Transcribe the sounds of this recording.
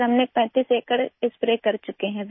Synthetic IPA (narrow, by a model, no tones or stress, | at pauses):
ɐmnek̚pɛ̃ːt̪iːseːkəɽɪspɾeːkɐɾt͡ʃʊkeɦɛ̃b